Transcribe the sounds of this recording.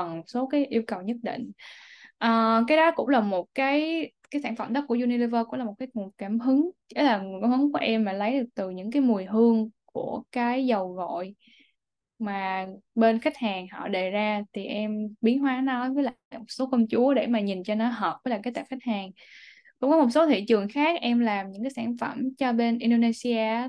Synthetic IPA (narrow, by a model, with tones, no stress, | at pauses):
ə˨˩mo˨˩t̚so˨˦kaː˨˦jʔi˧əwkə˨˩wɲə˦˥t̚ɗḭ˧˨ŋ̟ʔəː˨˩kaː˨˦jɗɔ˨˦kʊ̰˧˥ŋ͡mlaː˨˩mo˨˩t̚kaː˨˦jkaː˨˦jsaː˧˩nfə̰˧˩mɗə˦˥ku˧˩əzu˧ni˧li˧vəː˧kʊ˧˥ŋ͡mlaː˨˩mo˨˩t̚kːaː˨˦j̚kaː˧˩mɦɨ˨˦ŋke˨˦laː˨˩kaː˧˩mhɨ˨˦ŋku˧˩əʔɛ˧mːaː˨˩lə˨˦jɗɨ˨˩ək̚t̪ɨ˨˩ɲɨ̰˧˥ŋkaː˨˦jmu˨˩əjɦɨ˧əŋku˧˩əkaː˨˦jzə˨˩wɣɔ̰˧˨j | maː˨˩ɓe˧nxa˦˥jk̟̚haː˨˩ŋhɔ̰˧˨ɗe˨˩zaː˧t̪ʰi˨˩ʔɛ˧mɓi˨˦ənɦwaː˨˦nɔ˨˦jvə˨˦la̰ː˨˩mo˨˩t̚so˨˦kɔ˧wŋ͡mt͡ɕu˨˦əɗe˧˩maː˨˩ɲi˨˩nt͡ɕɔ˧nɔ˨˦ɦəː˨˩p̚və˨˦jlaː˨˩kaː˨˦jt̪aː˧˨˩xa˦˥k̚haː˨˩ŋ | kʊ̰˧˥ŋ͡mkɔ˨˦mo˨˩t̚so˨˦t̪ʰḭ˧˨t͡ɕɨ˨˩əŋxaː˦˥k̚ʔɛ˧mlaː˨˩mɲɨ̰˧˥ŋkaː˨˦jsaː˧˩nfə˧˩mt͡ɕɔ˧ɓe˧nʔi˧nɗo˧ne˧si˧aː˧